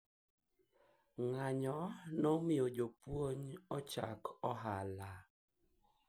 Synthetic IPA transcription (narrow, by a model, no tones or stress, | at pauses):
ŋaɲɔnɔmiod͡ʒopwoɲɔt͡ʃa̰kɔɦala